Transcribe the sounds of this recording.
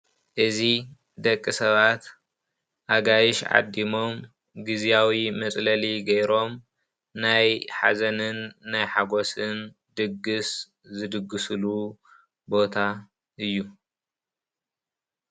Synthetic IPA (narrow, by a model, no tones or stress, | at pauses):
ʔɨzi | d̪ɐkʼːɨsɐβat̪ | ʔaɡajɪʃʕa̰d̪ːimo̞m | ɡɨzijawimɐt͡sʼlɐliɡɐjɾo̞m | najħa̰zɐnɨnːajħaɡo̞sɨn | d̪ɨɡːɨs | zɨd̪ɨɡːɨsɨlu | bo̞t̪ʰa | ʔɨjːu